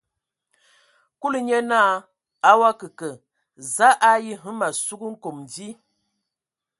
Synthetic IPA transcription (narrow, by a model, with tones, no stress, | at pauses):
ku˦lə˨ɲə˦naː˦˨ | a˦wa˦kə˨kə˨ | za˦ʔa˦ji˦ɦə˦ma˨su˦ɡə˦ŋ̩˦ko˨mn˨di˦